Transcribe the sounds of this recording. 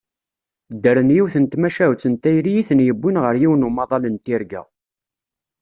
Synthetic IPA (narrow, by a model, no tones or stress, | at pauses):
d̪ːəɾənjiwθənt̪mæʃæwt͡sːənt̪ːæjɾijiθənjəbːinʁəɾjiwnumɑðˤɑlənt̪iɾɡæ̰